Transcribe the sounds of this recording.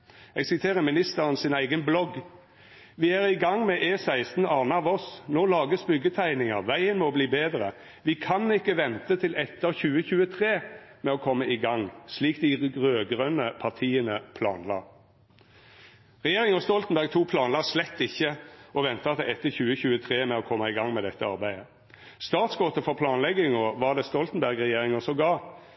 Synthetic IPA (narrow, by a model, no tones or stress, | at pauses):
ɛɡsɪt̪ʰeːʁəmɪnɪst̪əʁənsɪnæɪɡənblɔɡ | ʋɪæːʁɪɡɑŋmɛʔeːsæɪst̪n̩ɑːnəɑʋɔsnoːlɑːɡəsbʏɡːət̪ʰæɪnɪŋəʋæɪənmɔbliːbeːd̪ɾə | ʋɪkʰɑnɪkːəʋɛnt̪ət̪ʰɪlɛt̪ːəçʉːəçʉːət̪ʰʁeːmɛɔːkʰɔmːəɪɡɑŋsliːkd̪ɪʁøːɡʁœnəpʰɑʁt̪ʰiːənəpʰlɑːnlɑː | ʁɛjeːʁɪŋɔst̪ɔlt̪n̩bæʁɡt̪ʰuːpʰlɑːnlɑːslɛt̪ːɪçːəɔʋɛnt̪ɑt̪ɪɛt̪ːəçʉːəçʉːət̪ʰʁeːmɛɔkʰɔmːɑɪɡɑŋmɛd̪ɛt̪ːəɑɾbæɪə | st̪ɑːt̪sɡɔt̪əfɔʁpʰlɑːnlɛɡɪŋɔʋɑʁd̪ɛːst̪ɔlt̪n̩bæʁɡʁɛjeːʁɪŋɔsɔɡɑː